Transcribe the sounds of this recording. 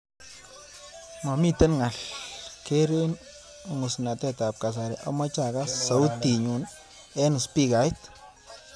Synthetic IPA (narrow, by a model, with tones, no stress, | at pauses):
ma˨mi˦tɛ˦nŋa˨lke˦ɾe˦n | ŋʊ˨sna˨tɛ˦ta˨p̚ka˨s̬aɾɛʔa̰˦ma˦t͡ʃa˨ka˦sa˨u˦tːi˨ɲu˨n | ɛ˦n˨spi˦ka˨ɪ˦t